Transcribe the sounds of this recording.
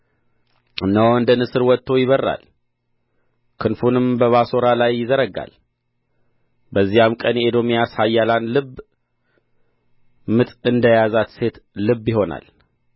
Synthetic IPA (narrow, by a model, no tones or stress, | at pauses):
ɨnːəwɨnd̪ənɨsɨɾwɔt̪ːo̞jɪβərːa̰l | kʰɨnfunɨmbəβaso̞ɾalajːɪzəɾəɡa̰l | bəzːijamkʼənjed̪o̞mijashajːalanlɨb | mɨt̪ʼɨnd̪əjazat̪se̞t̪lɨbːjɪɦo̞na̰l